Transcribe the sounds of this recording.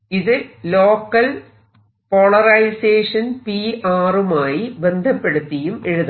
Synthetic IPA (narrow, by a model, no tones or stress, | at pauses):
iðɨlo̞ːkːɐl | po̞ɭɐrɐjseːʂɐnpiʔaːrumaːjibe̞nd̪ʱɐpːe̞ɽut̪ːijume̞ɻuðɐ